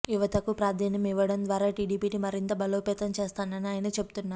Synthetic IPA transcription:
juʋɐt̪ɐkupɾaːd̪ʱaːnjɐmiʋːɐɽɐnd̪ʋaːɾaːʈiːɖiːpiːʈimɐɾint̪ɐbɐloːpɛːt̪ɐmt͡ʃeːst̪aːnɐniaːjɐnɐt͡ʃe̞bu̥t̪unːaː

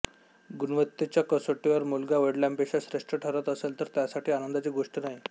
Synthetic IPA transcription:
ɡunʋət̪ːet͡ɕjakəsoʈiʋəɾmulɡaʋəɽlampekɕaɕɾeʂʈɾəʈʰəɾət̪əselt̪əɾt̪jasaʈʰiːanənd̪at͡ɕiːɡoʂʈənaɦj

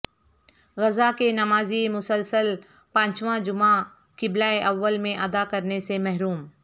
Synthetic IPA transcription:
ɣɐzakenɐmaːzimʊsəlsəl | pãːt͡ʃʋãd͡ʒʊma | kɪblaːeʔɐʋːəlmẽʔɐd̪akɐɾnesemɛɦɾuːm

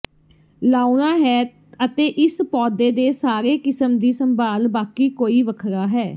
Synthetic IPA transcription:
laːunaːɦɛː | ət̪eːʔɪspɔːd̪eːd̪eːsaːɾeːkɪsəmd̪iːsəmbaːlbaːkiːkoːiːʋəkʰɾaːɦɛː

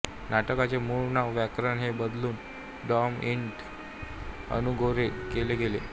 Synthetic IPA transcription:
naʈəkat͡semuɭnaʋʋjakɾənɦebəd̪luːn | ɖɔmiɳʈ | ə̰nuɡʱoɾekeleɡelḛ

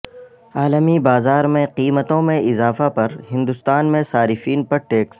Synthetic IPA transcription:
aːləmibaːzaːɾmẽqiːmət̪õmẽʔɪzaːfapɐɾɦɪ̃nd̪ʊst̪aːnmẽsaːɾɪfiːnpɐɾʈeːks

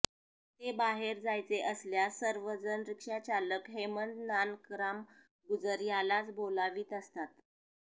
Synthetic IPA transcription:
t̪ebaɦeɾd͡zajt͡seʔəsljasəɾʋəd͡zənɾikʂat͡ɕaləkɦeməɳɖnankɾam | ɡud͡zəɾjalat͡sbolaʋiːt̪əst̪at̪

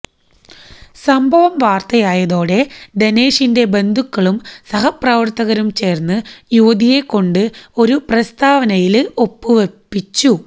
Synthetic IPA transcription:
sɐmbʱɐʋɐmʋaːrt̪ɐjaːjɐðo̞ːɽe̞ɖeneːʂinde̞be̞nd̪ʱukːɐɭumsɐɦɐprɐʋɐrt̪ːɐɣɐɾumt͡ɕe̞ːrnːɨjuʋːd̪ije̞kːo̞ɳɖɨo̞ɾuprɐst̪aːʋɐnɐjilo̞pːɨʋepːit͡ɕːu

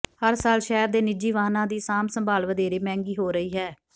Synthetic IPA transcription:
həɾsaːlʃɛːɾd̪eːnɪd͡ʒiːʋaːnãːd̪iːsaːmsəmbʱaːlʋəd̪eːɾeːmɛ̃ːŋɡiːɦoːɾəiːɦɛː

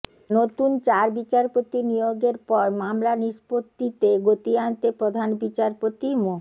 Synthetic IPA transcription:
not̪unt͡ɕaɾbit͡ɕaɾpot̪inijoɡeɾpɔɾmamlaniʃpot̪ːit̪eɡot̪iant̪epɾod̪ʱanbit͡ɕaɾpot̪imo

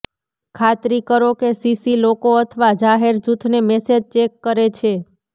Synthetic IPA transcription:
kʰat̪ɾikəɾokesisilokoət̪ʰəʋad͡ʒaɦeɾd͡ʒut̪ʰnemɛsed͡ʒt͡ʃekːəɾet͡ʃʰe

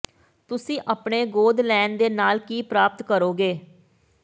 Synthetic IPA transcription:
t̪ʊsĩːʔaːpɳeːɡoːd̪lɛːnd̪eːnaːlkiːpɾaːpət̪kəɾoːɡeː

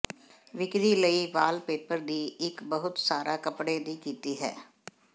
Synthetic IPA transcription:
ʋɪkɾiːləiːʋaːlpeːpəɾd̪iːɪkbəɦʊt̪saːɾaːkəpɽeːd̪iːkiːt̪iːɦɛ̰ː

